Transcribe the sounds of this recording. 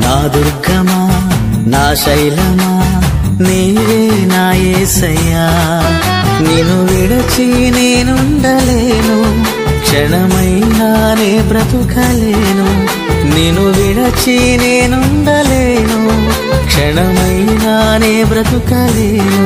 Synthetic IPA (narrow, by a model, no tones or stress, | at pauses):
naːd̪uɾɡʱɐma | naːʃɐjlɐmaː | niːʋeː | naːjeːsɐjaː | neːnuʋiɽɐt͡ʃi | neːnuɳɖɐleːnu | kʂɛɳɐmɐjlaː | neːbɾɐt̪ukʰɐleːnu | neːnuʋiɽɐt͡ʃineːnuɳɖɐleːnu | kʂɛɳɐmɐjlaːneːbɾɐt̪ukɐleːnu